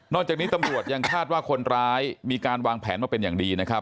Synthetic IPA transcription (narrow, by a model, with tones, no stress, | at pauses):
nɔː˥˩k̚t͡ɕaː˨˩k̚ni˦˥t̪a˧mɾu˨˩ət̪̚ja˧ŋkʰaː˥˩t̪̚waː˥˩kʰo˧nɾaː˦˥jmiː˧kaː˧nwaː˧ŋpʰɛ̰ː˩˦nmaː˥˩pe˧njaː˨˩ŋdiː˧na˦˥kʰa˦˥p̚